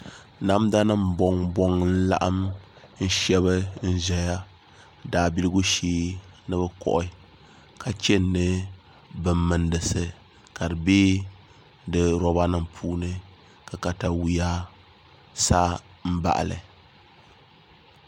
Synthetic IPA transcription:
na˦mda˦nɨ˦m˨bɔ˦ŋbɔ˦ŋn̩˦la̰˦ʔa˦m | n̩˦ʃɛ˦βɨ˦n̩˦ʒɛ˨ja˦ | daː˨bi˦lɨ˦ɡu˦ʃeː˦nɨ˦bɨ˦kɔ̰˦ʔʊ˦ | kʰa˨t͡ʃɛ˦nːɨ˦ | bɨ˨mːɨ˨ndɨ˨sɨ˨ | ka˨dɨ˨beː˦ | dɨ˨ɾɔ˦ba˦nɨ˦mpʰuː˦nɨ˦ | ka˨ka˨ta˨wi˦ja˦ | sa˦ | m̩˦ba̰˨ʔa̰˨lɨ̰˨

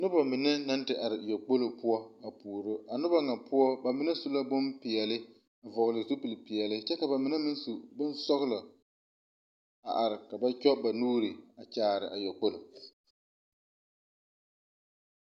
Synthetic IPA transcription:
nʊ˦ba˨mɪ˨nɛ˦na˦ntɪ˨ʔa˨ɾɪ˨jɛ˨k͡po˦lo˨pʊ˦ɔ˦a˨puː˨ɾo˦a˨nʊ˦ba˦ŋa˨pʊ˦ɔ˦ba˨mɪ˨nɛ˦su˨la˦bʊ˦mpɪ˨ɛ˨lɪ˦ | a˨vɔ˨ɣlɪ˨zu˦pi˨lpɪ˨ɛ˨lɪ˦t͡ʃɛ˦ka˨ba˨mɪ˨nɛ˦mɪ˦n˦su˨bɪ˦nsɔ˦ɣla˨ | a̰˨ʔa˨ɾɪ˨ka˨ba˦t͡ʃɔ˦ba˨nuː˦ɾɪ˨a˨t͡ʃaː˨ɾɪ̰˨ʔa˨jɛ˨k͡po˦lo˨

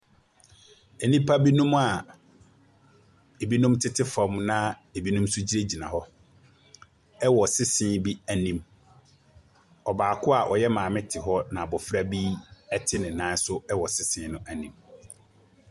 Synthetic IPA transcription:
e˨nĩ˦pʰa˦bi˦nũ˦ma˨ | e˨bi˦nũ˦mtʰɪ˦tʰɪ˦fã˨˦mnã˦ | e˨bi˦nũ˦msʊ˦d͡ʑi˦ɾe˦d͡ʑi˨nã̰˨ɦɔ˦ | ɛ˦wɔ˨sɪ˦sɪ̃˦bi˦æ˨nĩ˦m | ɔ˨baː˨kʰʊ˦a˨ʔɔ˨jɛ˦mãː˨mɪ̃˦tʰɪ˨ɦɔ˦nã˨bɔ˨fɾa˦bi˦ɛ˦tʰɪ˦nɪ̃˨nã˦sʊ˦ɛ˦wɔ˨sɪ˦sɪ̃˨˦nʊ̃˦ʔæ˨nĩ˨m

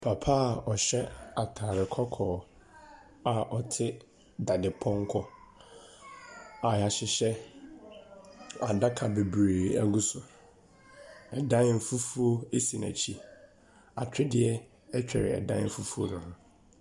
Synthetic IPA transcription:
pʰa˨pʰa˦˨ɔ˨ɕɛ˦a˨tʰaː˨ɾɪ˨kʰɔ˦kʰɔː˨ | a˨ʔɔ˨tʰɪ˦ | da˨dɪ˨pʰɔ̃˦ŋ˦kʰɔ˦ | a˨ja˨ɕɪ˨ɕɛ˦ | a̰˨da˦kʰa˨be˨bɾeː˨æ˦ɡu˦sʊ˨ | ɛ˨dã˦m̩˨fu˦fu˦o˦e˦si˨næ̰˨t͡ɕʰi˦ | a̰˨tʰᶣɪ˦dɪ˦ɛ˦ | ɛ˦t͡ɕᶣɛ̰˨ɾɪ̰˨ɛ̰˨dã˦m̩˦fu˦fu˦o̰˦nʊ̃˦nʊ̃˦

